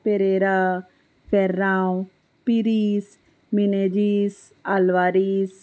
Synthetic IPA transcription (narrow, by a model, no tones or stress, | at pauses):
peɾeːɾa | fɛɾːaːw̃ | piɾiːs | mined͡ʒis | alʋaːɾis